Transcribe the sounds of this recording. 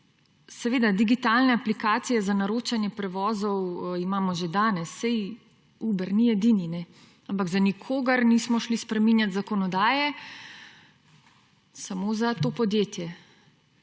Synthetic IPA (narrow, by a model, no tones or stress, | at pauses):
sɛʋeːd̪ad̪iɡit̪alnɛaplikaːt̪sijɛzanaɾoːt͡ʃanjɛpɾɛʋɔːzɔwimaːmɔʒed̪aːnɛsːɛj | uːbɛɾniɛd̪iːninɛ | ampaɡzanikʰoːɡɐɾnismɔʃlispɾɛminjat̪zakɔnɔd̪aːjɛ | samozat̪oːpɔd̪jeːt̪jɛ